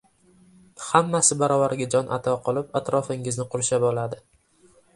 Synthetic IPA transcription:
hamːasɪbaɾɒvaɾɡʲad͡ʒɒnʔat̪ʰɒqʰɒlˠɪpat̪ɾɒfɪŋɪznɪqʰʊɾʃabɒlad̪ɪ

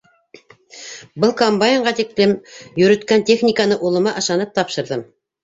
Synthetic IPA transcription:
bɤlˠkombajɪɴʁɑt̪ik̚lɘmjɵ̆ɾɵ̆t̪kænt̪ʲe̞χnʲikanɤʔulˠɤ̆mɑʔɤ̆ʃɑnɤp̚t̪ɑpʃɤ̆ɾðɤm

